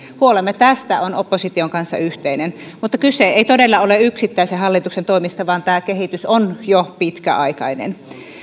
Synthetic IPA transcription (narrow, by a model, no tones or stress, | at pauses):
huolemːet̪æst̪æonopːosit̪ioŋkɑnsːɑ̰yht̪einenmut̪ːɑkyseeˑit̪odelːɑoleyksit̪ːæˑisehɑlːit̪uksent̪oimist̪ɑʋɑːnt̪æːkehit̪ysonjopit̪kæ̰ɑikɑ̰inḛn